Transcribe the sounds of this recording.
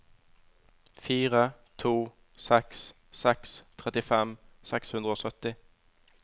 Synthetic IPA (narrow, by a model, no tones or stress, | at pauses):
fiːʁət̪ʰuː | sɛks | sɛkst̪ʰʁɛt̪ɪfɛmsɛkshʉnd̪ʁəoːsœt̪ɪ